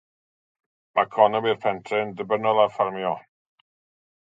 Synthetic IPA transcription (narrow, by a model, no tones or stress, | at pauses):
makʰɔnɔmirpʰɛntʰrɪndəbənɔlˠarfarmjɔ